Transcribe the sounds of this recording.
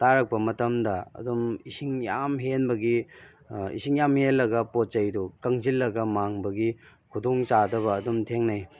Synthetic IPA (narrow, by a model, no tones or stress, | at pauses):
taɾɐk̚pɐmɐtɐmdɐɐ̰dumisiŋjamɦenbɐɡi | ḭsiŋjamhelːɐɡɐpot̚t͡ʃɐjdukɐŋzilːɐɡɐmaŋbɐɡi | kʰudoŋt͡ʃadɐβɐːdumtʰeŋnaj